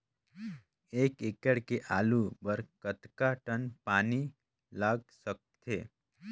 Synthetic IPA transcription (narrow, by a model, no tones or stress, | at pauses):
eːkɪkəɽkeʔaːlubəɾkət̪kaʈənpaːni | laːɡsək̚t̪ʰḛː